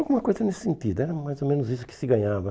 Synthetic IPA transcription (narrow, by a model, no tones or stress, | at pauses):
alˠɡumɐkojzɐnesɪ̥sẽnt̪id̪ʊɛɾɐmajzomẽnʊzisʊ̥kɪ̥sɪɡɐ̃ɲavɐ